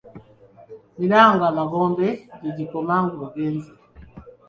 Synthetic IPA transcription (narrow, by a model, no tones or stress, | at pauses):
milaŋɡamaɡɔmbɛɟiɟikɔmaŋɡɔɡɛnzi